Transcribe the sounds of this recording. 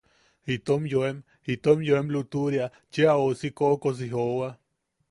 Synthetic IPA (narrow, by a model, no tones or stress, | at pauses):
hit̪omjoem | hit̪omjoemlut̪uɾja | t͡ʃeaosikoʔkos̬iɦowa